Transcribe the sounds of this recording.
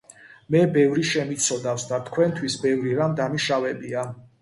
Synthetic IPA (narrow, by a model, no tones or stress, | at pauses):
mɛbɛvɾiʃɛmit̪sʰɔd̪afsd̪at̪ʰkʰwɛnt̪ʰwisbɛvɾiɾamd̪amiʃavɛbia